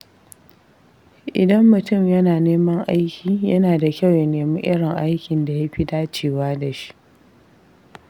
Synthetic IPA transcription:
ʔɪ˨dɐ˦mːʊ˨tʊ˦˨mjɐ˦naː˨neː˦mɐ˦ŋʔa˦jkʲiː˨jɐ˦naː˨da˨kʲɐ˦˨wja˨neː˨mɪ˦ʔɪ˦ɽɪ˨ŋʔa˦jkʲɪ˨nda˨ja˦ɸi˦daː˦t͡ʃeː˦˨waː˦da˨ʃi̥˦ʔ

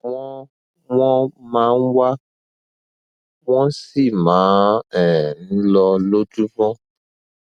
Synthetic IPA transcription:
wɔ̃˦ | wɔ̃˦mã˨˦n̩˦wa˦ | wɔ̃˦si˦˨mãː˨˦ɛ˨n̩˦lɔ˧lo˦d͡ʒu˦vɔ̃˦

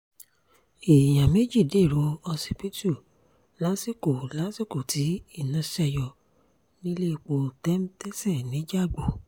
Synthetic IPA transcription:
e˨jã˨me˦d͡ʒi˦˨de˦˨ɾo˨˦ɔ˧si˨pi˦tu˦˨ | la˨˦si˦˨ko˨la˨˦si˦˨ko˨tʰi˨˦i˦˨nã˨˦ʃɛ˦˧jɔ˧˨ | nĩ˦le˦˨k͡po˧˨tɛ˦m˦tɛ˦sɛ˦˨nĩ˨˦d͡ʒa˦˨ɡ͡bo˨

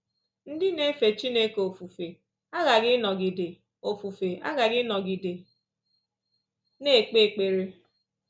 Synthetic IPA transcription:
n̩˦dɪ˦ne˦fe˨t͡ʃi˦ne˦ko˨o˨fu˨fe˨ | a˦ɣa˨ɣɪ˦nɔ˨ɡi˨de˨ | o˨fu˨fe˨ʔa̰˦ɣa˨ɡɪ˦nɔ˨ɡi˨de˨ | ne˦˨k͡pe˦˨k͡pe˨ɾe˦

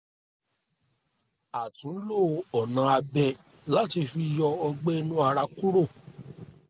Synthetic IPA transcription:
a˨tũ˨˦lo˦˨ɔ˨nã˨˧a˧bɛ˧ | la˦ti˧fi˧i˧jɔ˧ɔ˧ɡ͡be˦˧nũ˦a˧ɾa˧ku˦ɾo˦˨

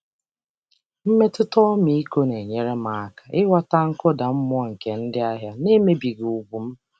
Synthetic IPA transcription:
m̩˦me˦tʊ˦tɔ˦mi˨i˦ko˦ne˨ɲe˨ɾe˦ma˨a˨kḁ˨ɪ˦wa˦ta˦ŋ̩˦kʊ˦da˨m̩˦mʊ˦ɔ˦˨ŋ̩˨ke˨n̩˦dɪ˦a˦ɦja˦ne˦me˦bi˨ɡu˨ɡ͡bu˨m̩˦

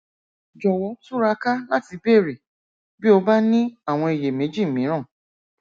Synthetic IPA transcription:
d͡ʒɔ˨wɔ˨˦tu˦ɾa˧ka˦la˦ti˧be˦˨ɾi˨ | bi˦o˧ba˦nĩ˦a˦˨w̃ɔ̃˧i˨je˨mẽ˨˦d͡ʒi˦˨mĩ˨˦ɾ̃ã˦˨

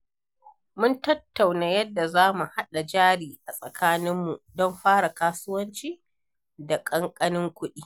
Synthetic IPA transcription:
mʊ˦ntɐ˦tːa˨wnaː˨jɐ˦dːa˨zaː˦mu˨ha˦ɗa˨d͡ʒaː˦ɽiː˨ʔa˨sʼɐ˨kaː˦nɪ˦mːu˨dɔ˦mɸaː˦ɽa˨kaː˦sʊ˦wɐ˦nt͡ʃiː˦ | da˨kʼɐ˦ŋkʼɐ˦nɪ˦ŋkʷʊ˦ɗiː˦

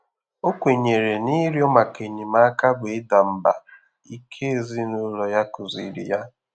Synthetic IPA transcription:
o˦kʷe˨ɲe˨ɾe˨ni˦ɾi˦ɔ˦ma˨ke˨ɲi˨ma˦ka˦bʊ˨ɪ˦da˨m̩˨ba̰˨ | i˦kʰe˦e˦˨zi˦nʊ˦lɔ˨ja˦kʊ˨zi˨ɾḭ˨ja˦

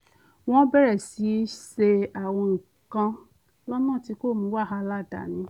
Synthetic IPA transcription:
w̃ɔ̃˦bɛ˦˨ɾɛ˨si˨˦ʃe˧a˦˨w̃ɔ̃˧ŋ̩˨ | kã˧ | lɔ˦nãː˦˨ti˧˦ko˦˨mĩ˧˦wa˦˨ɦa˧la˦˨da̰˨nĩ˨˦

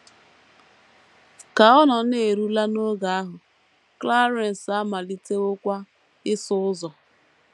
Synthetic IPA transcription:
ka˨ɔ˦nɔ˨n˦e˨ɾu˦la˦no˦ɡa˨a˦ɦʊ˨ | kla˦ɾe˨n̩˨sa˦ma˨li˦te˦ʊ˦kʷa˦ | ɪ˦sʊ˦ʊ˦zɔ˨

